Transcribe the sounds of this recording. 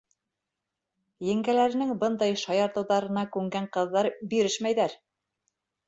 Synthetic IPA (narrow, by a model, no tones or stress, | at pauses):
jɘ̆ŋɡælæɾɘ̆nɘŋbɤnd̪ɑjʃɑjɑɾt̪ɤ̆wðɑɾɤ̆nɑkʉŋɡæɴqɤ̆ðːɑɾbiɾɘʃmæjðæɾ